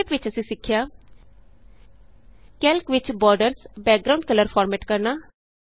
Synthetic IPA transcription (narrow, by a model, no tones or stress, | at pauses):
pʋɪt͡ʃəsĩːsɪkʰːjaː | kɛːlkʋɪt͡ʃbɔːɾɖəɾsbɛːk̚ɡɾaʊ̃ɳɖ̚kələɾpʰɔːɾmɛːʈkəɾnaː